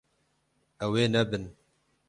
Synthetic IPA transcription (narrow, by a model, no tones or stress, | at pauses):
ɛweːnɛbɨn